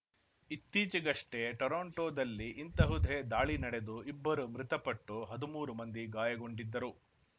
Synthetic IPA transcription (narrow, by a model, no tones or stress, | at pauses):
it̪ːiːt͡ʃɐɡɐʂʈeʈɐɾoːɳʈoːd̪ɐlːiʔint̪ɐɦud̪ʱed̪aːɭinɐɽe̞d̪uibːɐɾumɾit̪ɐpɐʈːuɦɐd̪umuːɾumɐnd̪iɡaːjɐɡo̞ɳɖid̪ːɐɾu